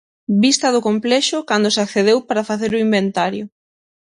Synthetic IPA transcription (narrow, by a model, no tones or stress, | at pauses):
bist̪ɐðʊkomplɛʃʊkand̪ʊsakθeðewpaɾafaθeɾʊimbent̪aɾjʊ